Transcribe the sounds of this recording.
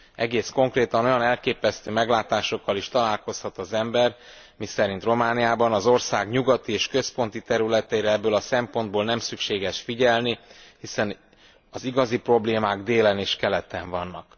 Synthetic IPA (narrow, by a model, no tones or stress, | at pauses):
ɛɡeːsko̞ŋkreːt̪ɒno̞jɒnɛlkeːpɛst̪øːmɛɡlaːt̪aːʃo̞kːɒliʃt̪ɒlaːlko̞shɒt̪ɒzɛmbɛr | misɛɾint̪ro̞maːnijaːbɒnɒzo̞rsaːɡɲuɡɒt̪ieːʃkø̞spo̞nt̪it̪ɛɾylɛt̪ɛiɾɛɛbːøːlɒsɛmpo̞nd̪̚boːlnɛmsykʃeːɡɛʃfiɟɛlnihisɛn | ɒziɡɒzipro̞bleːmaːɡd̪eːlɛneːʃkɛlɛt̪ɛɱvɒnːɒk